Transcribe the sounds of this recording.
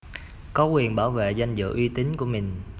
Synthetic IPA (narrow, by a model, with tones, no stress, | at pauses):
kɔ˨˦kwi˨˩ənɓaː˧˩wvḛ˧˨za˧jŋzɨ̰˧˨ʔwi˧t̪i˨˦nku˧˩əmï˨˩ŋ̟